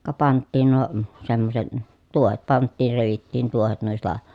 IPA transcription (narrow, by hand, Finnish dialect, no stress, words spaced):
kɑ pɑntːiːn nuo semːoset tuohet pɑntːiːr reʋitːiːn tuohet nuistɑ